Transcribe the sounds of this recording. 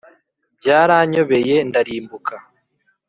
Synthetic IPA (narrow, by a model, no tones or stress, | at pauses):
bɟaːɾaːɲo̞βe̞je̞ndaɾiːmbuka